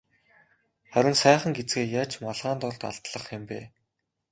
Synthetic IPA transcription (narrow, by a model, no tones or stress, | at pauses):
χæɾʲɪ̆nsæːχə̆ŋɡet͡sɡeːjaːt͡ɕmaɮʁaːnt̪ɔɮt̪a̰ɮt̪ɮə̆χxɪ̆mpeː